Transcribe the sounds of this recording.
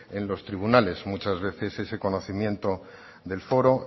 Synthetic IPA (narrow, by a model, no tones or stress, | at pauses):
e̞nlo̞st̪ɾiβ̞unale̞zmut͡ʃazβ̞e̞θe̞se̞se̞ko̞no̞θimjẽ̞nt̪o̞ | ðe̞lfo̞ɾo̞